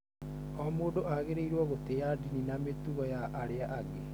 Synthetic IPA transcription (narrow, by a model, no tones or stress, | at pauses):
ɔmoːdoʔaɣeɾeiɾwɔɣotejadininametuɣɔjaʔaɾeaʔaɡe